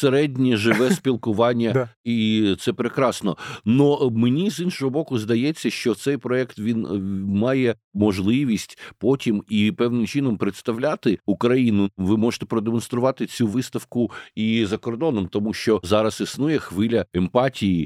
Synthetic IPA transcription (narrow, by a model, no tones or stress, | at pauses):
seɾɛdʲnʲiʒɪʋɛspʲilˠkʊʋɑnʲːɐit̪sɛpɾekɾɑsnɔnɔmenʲizinʃɔɦɔbɔkʊzd̪ɐjɛt͡sʲːɐʃt͡ʃɔt̪sɛjpɾɔɛkt̪ʋʲinmɑjɛ | mɔʒlˠɪʋʲisʲtʲpɔtʲimipɛʋnɪmt͡ʃinɔmpɾɪt̪st̪ɐʋlʲat̪ɪukɾɐjinʊʋɪmɔʒɪ̥t̪ɛ̥pɾɔd̪emɔnst̪ɾʊʋɑt̪ɪt͡sʲuʋɪst̪ɐwkʊizɐkɔrd̪ɔnɔmt̪ɔmuʃt͡ʃɔzɑɾɐsisnujɛxʋɪlʲɐempɑtʲiji